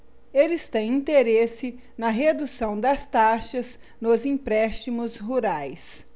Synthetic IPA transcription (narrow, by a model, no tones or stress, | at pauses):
elɪst̪ẽj̃ĩnt̪eɾesɪ | nɐɦed̪usɐ̃w̃d̪ɐst̪aʃɐz | nʊzĩpɾɛst͡ʃimʊzɦuɾajs